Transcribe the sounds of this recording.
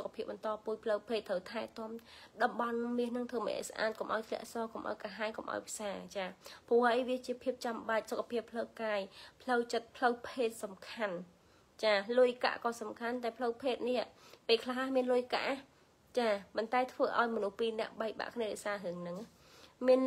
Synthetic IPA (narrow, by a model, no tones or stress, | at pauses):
sokʰːḁpʰiəp̚ɓɑnt̪ɑːpuəj̚pʰləwpʰeːt̪ʰːəwt̪ʰaɛt̪ŏəmɗɑmɓɑnmiəhnɨŋt̪ʰəːmə̰ʔə̰sʔa̰ːt̪̚komʔa̰ɔjt̪ʰlɛ̆əʔsɑːkomʔa̰ɔjkaɦaɛkomʔa̰ɔjpʰsaːt͡ɕaːpuəhʔəjʋiət͡ɕiəpʰiəp̚t͡ɕamɓac̚sokʰːḁpʰiəpʰːləwkaːjpʰləwt͡ɕət̪̚pʰləwpʰeːt̪̚sɑmkʰan | t͡ɕaːlʊjka̰ʔkɑːsɑmkʰant̪aɛpʰləwpʰeːt̪̚niaʔpeːkʰlaɦʔaːmiənlʊjka̰ʔa | t͡ɕaːpont̪aɛt̪ʰʋəːʔa̰ɔjmɔnuhpiːnɛ̆əʔɓak̚ɓa̰ʔkʰniəɗɛːsaːɦɨəŋnɨŋ | miən